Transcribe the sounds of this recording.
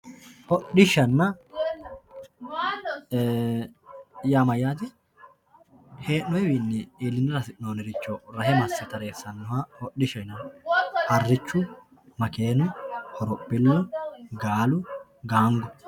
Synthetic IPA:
hɔɗɪʃɐnːɐ | jamɐjaːt̪ɪ | he̞ːnːɔjɛwinːɛiːlːɪnɪɾɐsɪʔnoːnɛɾɪt͡ʃːɔɾɐhɛmɐsːɛt̪ɐɾe̞ːsːɐnːɔhahɔɗːɪʃɔɪnɐhɐrːɪt͡ʃːʊ | mɐke̞ːnʊhɔɾɔpːɪlːʊɡaːlʊɡaːŋɡʊ

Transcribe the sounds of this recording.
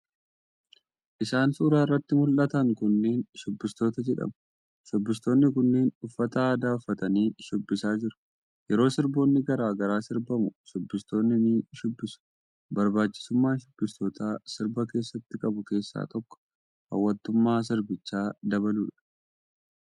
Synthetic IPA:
ʔɪsaːnsuːɾaːrːɐt̪ːɪmʊlʔɐt̪ɐŋkʊnːeːnʃʊbːɪst̪o̞ːt̪ɐd͡ʒɛᶑɐ̰mʊ̥ | ʃʊbːɪst̪o̞ːnːɪkʊnːeːnʊfːɐt̪ɐaːd̪aːʊfːɐt̪ɐniːʃʊbːɪsaːd͡ʒɪɾʊ̥ | jɛɾo̞ːsɪɾbo̞ːnːɪɡɐɾaːɡɐɾaːsɪɾbɐmʊʃʊbːɪst̪o̞ːnːɪniːʃʊbːɪsʊ̥ | bɐɾbaːt͡ʃːɪ̥sʊmːaːʃʊbːɪst̪o̞ːt̪aːsɪɾbɐke̞ːsːɐt̪ːɪkʼɐbʊke̞ːsːa̰ːt̪ɔkːɔ̥ | hɐ̰wːɐnt̪ːʊmːaːs̬ɪɾbɪt͡ʃːaːd̪ɐbɐluːᶑɐ̥

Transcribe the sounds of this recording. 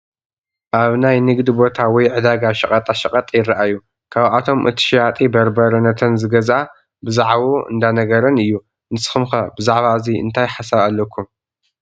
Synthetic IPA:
ʔaβnajnɨɡd̪ibo̞t̪ʰawɔjʕɨd̪aɡaʃɐqʼɐt̪ʼaʃɐqʼɐt̪ʼjɪrːɨʔajːu | kʰaβʔat̪ʰo̞mʔɨ̰t̪ʰi̥ʃjat̪ʼibɐɾbɐɾɐnɐt̪ʰɐnzɨɡɐzʔa | bɨzaʕβoɨ̰nd̪anɐɡɐɾɐnɨjːu | nɨsɨ̥xɨmxɐbɨzaʕβaɨziɨ̰nt̪ʰajħasaβalːɐkʰːum

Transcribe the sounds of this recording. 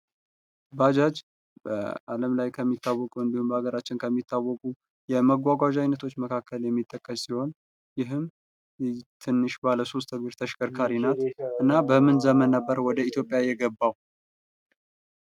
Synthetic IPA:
bad͡ʒad͡ʒ | bə̰a̰ləmlajkʰəmːit̪ʰːawːɔkʼuɨnd̪ihumbəhaɡəɾat͡ʃːɪnkʰəmːit̪ʰːawːɔkʼu | jɛməɡʷaɡʷaʒajnət̪ʰo̞t͡ʃːməkʰakʰːəljɛmːit̪ʼːəkʼːəssiho̞n | jɪɦɨm | t̪ʰɨnːɨʃbaləso̞s̬t̪ʰəɡɨɾt̪ʰəʃkʼəɾkʰaɾinat̪ʔɨnːabəmɨnzəmənːəbːəɾwɔd̪əit̪ʰjo̞pʼjajɛɡəbːaw

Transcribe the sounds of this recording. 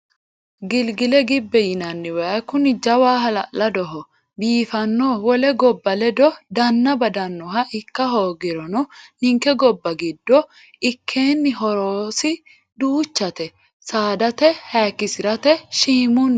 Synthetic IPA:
ɡɪlɡɪlɛɡɪbːɛjɪnɐnːɪwɛɐkʊnɪd͡ʒɐwaːɦɐlɐ̰ʔlɐd̪ɔɦɔ | biːfɐnːoːwɔlɛɡɔbːɐlɛd̪ɔd̪ɐnːɐbɐd̪ɐnːɔɦɐʔɪkːɐɦoːɡɪɾɔnɔnɪŋkːɛɡɔbːɐɡɪd̪ːɔ | ɪkʰːeːnːɪɦɔɾoːsɪ | d̪uːt͡ʃːɐt̪ɛ | saːd̪ɐt̪ɛhaːkːɪsɪɾɐt̪ɛʃiːmʊn

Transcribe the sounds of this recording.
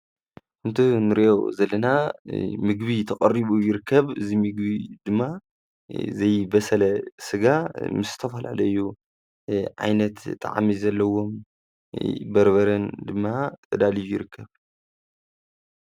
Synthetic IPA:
ʔɨnt̪ʰunɨɾiʔo̰zɐlːɐnamɨɡbit̪ʰɐkʼɐɾiβujɪɾɨkʰːɐβɨ̰zimɨɡbid̪ɨmːa | zɐjbɐsɐlɐsɨɡamɨsɨ̥t̪ʰɐfɐla̰lɐɨjːu | ʕa̰jnɐt̪t̪ʼːa̰ʕa̰mizɐlːɐwo̞m | bɐɾβɐɾɐnd̪ɨmːat̪ʰɐd̪alijujɪɾɨkʰːɐβ

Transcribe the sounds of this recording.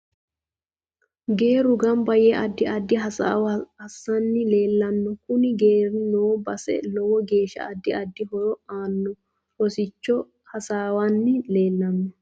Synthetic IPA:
ɡe̞ːɾʊɡɐmbɐjɛʔɐd̪ːɪʔɐd̪ːɪɦɐa̰ːwhɐsːɐnːɪle̞ːlːɐnːɔkʊnɪɡe̞ːɾnoːbɐsɛ̰lɔwɔɡe̞ːʃɐ̰ɐd̪ːɪɐd̪ːɪɦɔɾɔaːnːɔ | ɔsɪt͡ʃːɔ | hɐsaːwanːɪleːlːɐnːɔ

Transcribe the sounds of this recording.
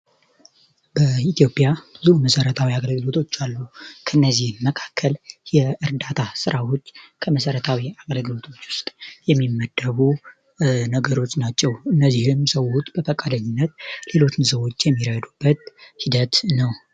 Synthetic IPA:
b̥əit̪ijo̞pʼjab̥ɨzuməsəɾət̪ʰawiaɡəlɡɨlo̞t̪ʰot͡ʃːalːukʰəɨnːəzihnməkʰḁkʰːəljɛɨɾd̪at̪ʰasɨɾʔawo̞t͡ʃːkʰəməsəɾət̪ʰawiaɡəlɡɨlo̞t̪ʰo̞t͡ʃːwʊst̪ʼjɛmːimːəd̪ːəβu | nəɡəɾo̞t͡ʃːnat͡ʃːɛwɨnːəzːihɨmsəwot͡ʃʼːb̥əfəkʼad̪əɲːɪnːət̪̚le̞lo̞t͡ʃːɪnsəwo̞t͡ʃːjɛmːiɾəjd̪ub̥ːət̪̚hid̪ət̪nəw

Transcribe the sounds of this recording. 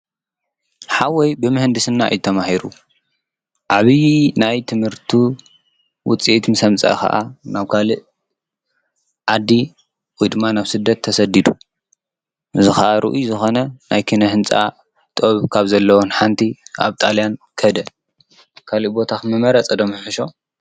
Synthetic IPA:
ħawɔjbɨmɨhɨnd̪ɨsɨnːa̰jt̪ʰɐmahiɾu | ʔaβijnajt̪ʰɨmhɨɾt̪ʰi | wʊt͡sʼiʔt̪mɨsɐmt͡sʼa̰kɐ̰ʔa̰naβkʰalɨʔ | ʕad̪i | wojd̪ɨmːanaβsɨd̪ːɐt̪ʰːɐsɐd̪id̪u | ɨzɨxaʔaɾʔɨ̰ʔujzɨxo̞nɐnajkʰinɐhɨnt͡sʼa̰ | t̪ʼoβkʰaβzɐlːɐwonħant̪ʰiʔa̰βt̪ʼaljankʰɐd̪ɐ | kʰaliʔbo̞t̪ʰaxmɐmɐɾɐt͡sʼɐd̪omɨħɨʃo̞

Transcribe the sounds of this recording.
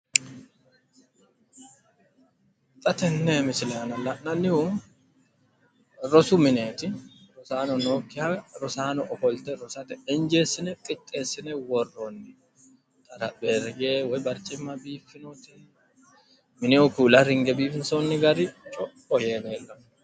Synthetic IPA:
t̪ʼɐt̪ɛnːemɪsɪleɐnɐlːɐnɐnːɪhʊ | ɾɔsʊmɪneːt̪ɪɾɔsaːnɔnoːkːɪhaɾɔsaːnɔʔkɔlt̪ɛɾɔsɐt̪ɛɛnd͡ʒeːsːɪnɛkʼɪt̪ʼːeːsːɪnɛwɔrːonːɪ | t̪ʼɐɾɐbeːɾɡeːwɔjbɐɾt͡ʃɛmːɐbiːfːɪnɔt̪ɛ | mɪnɛɔkuːlɐɾɪŋɡɛbiːfɪnsonːɪɡɐɾɪt͡ʃʼɔ | ɔjeːneːlːɐn

